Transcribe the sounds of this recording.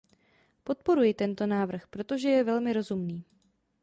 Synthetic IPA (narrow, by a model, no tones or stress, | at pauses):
po̞t̪̚po̞ɾujɪt̪ɛnt̪o̞naːvr̩xpɾo̞t̪o̞ʒɛjɛvɛlmɪɾo̞zumniː